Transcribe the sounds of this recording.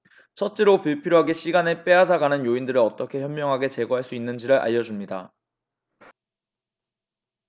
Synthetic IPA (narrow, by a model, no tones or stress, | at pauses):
t͡ɕʰʌt̚t͡ɕ͈eɾopuɭpʰiɾjoɦaɡe̞ɕ͈ʰiɡanep͈e̞ad͡ʑaɡanɯnjoindɯɾɯɾʌt͈ʌkʰe̞çjʌmːjʌŋɦaɡe̞t͡ɕe̞ɡoɦaɭs͈uinːɯnd͡ʑiɾɯɭʔa̰ʎjʌd͡ʑumɲida̰